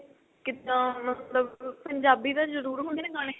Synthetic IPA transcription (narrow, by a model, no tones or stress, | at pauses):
kɪt̪ãːmət̪ləbpəɲd͡ʒaːbiːd̪aːzəɾuːɾɦʊnd̪iːnẽːɡəne